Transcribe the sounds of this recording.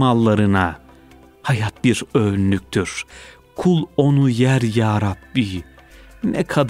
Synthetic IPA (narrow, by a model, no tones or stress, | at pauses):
malˠːaɾɯna | hajat̪̚biɾønːyk̚ʲt̪ʰyɾ̥ | kʰulˠo̞nujæɾjaːɾabːi | nɛkʰad̪